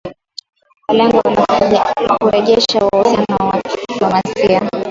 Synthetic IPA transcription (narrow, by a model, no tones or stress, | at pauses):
walɛŋɡɔwana | kuɾɛʄɛʃawausianawadiplɔmasia